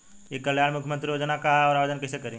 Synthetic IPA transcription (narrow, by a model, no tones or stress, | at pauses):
jekɐljaːnmʊkʰjmə̃nt̪ɾijoːd͡ʒənakaɦaɔːɾaːʋed͡ʒənkɛsekəɾĩ